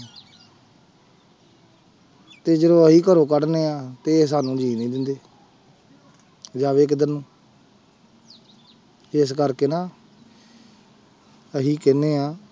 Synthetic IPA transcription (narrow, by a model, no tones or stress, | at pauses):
t̪eːd͡ʒəd̪õːəɦiːkəɾõːkəɽneːãːt̪eːsaːnũːd͡ʒiːnĩːd̪ɪnd̪eː | d͡ʒaːʋeːkd̪əɾnũː | ɪskəɾkeːnaː | əɦiːkɪneːãː